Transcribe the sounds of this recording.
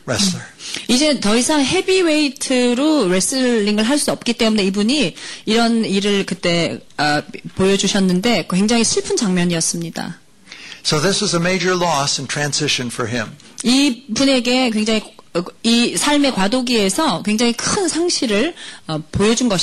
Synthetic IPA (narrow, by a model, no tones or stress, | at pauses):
ɹɛslə˞id͡ʑe̞tʌisʰaŋɦe̞biweitʰɯɾoɾe̞s͈ɯːiŋɯɭɦaɭs͈uʌp̚k͈it͈e̞mune̞ibuɲiiɾʌniɾɯɭkɯt͈e̞ʌpojʌd͡ʑuɕʰʌnːɯnde̞kwe̞ŋd͡ʑaŋiɕʰiɭpʰɯnd͡ʑaŋmjʌɲiʌs͈ɯmɲida̰ | soʊðɪsɨzəmeɪd͡ʒə˞lɔsntʰɹ̥æ̃nzɪʃɨ̃nfə˞ɪ̰̃m | ibune̞ɡe̞kwe̞ŋd͡ʑaŋiisʰaɭme̞kwadoɡie̞sʰʌkwe̞ŋd͡ʑaŋikʰɯnsʰaŋɕʰiɾɯɭʌpojʌd͡ʑunɡʌɕ